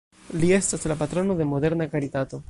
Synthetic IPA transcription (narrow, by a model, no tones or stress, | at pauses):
lie̞staslapat̪ɾo̞no̞de̞mo̞de̞ɾnakaɾit̪at̪o̞